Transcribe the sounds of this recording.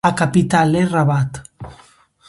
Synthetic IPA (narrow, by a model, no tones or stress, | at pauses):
akapit̪aleraβat̪